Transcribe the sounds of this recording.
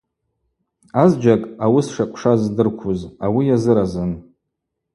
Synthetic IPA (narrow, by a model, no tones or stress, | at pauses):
azd͡ʒakʼawisʂakʷʼʂazdɨrkʷʰuzawijazɨɾazɨn